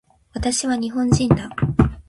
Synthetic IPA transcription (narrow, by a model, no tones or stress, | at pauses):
βat̪aɕiβaɲ̟iɦõ̞ɲd͡ʑĩnd̪a